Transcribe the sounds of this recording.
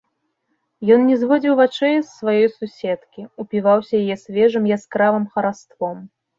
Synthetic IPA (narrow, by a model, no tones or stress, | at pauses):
jɔnnʲɛzvɔd͡zʲiwvat͡ʂɛjsːvajɔjsusʲɛt̪kʲiupʲivawsʲɐjajɛsʲvʲɛʐɨmjaskɾavɨmxɐɾast̪vɔm